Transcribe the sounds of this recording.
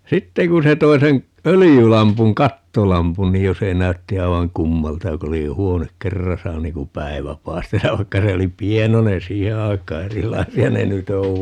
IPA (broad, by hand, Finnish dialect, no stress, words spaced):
sitːeŋ kun̞ se toi sen ølijylɑmpuŋ kɑtːolɑmpun ni jo se næytːi ɑi̯ʋɑŋ kumːɑltɑ jo ku oli huonek kerːɑsɑ niːn kum pæi̯ʋæ pɑi̯stɑs jɑ ʋɑikːɑ se oli pienonen siːhe ɑikˑɑː erilɑisiɑ ne nyt oʋ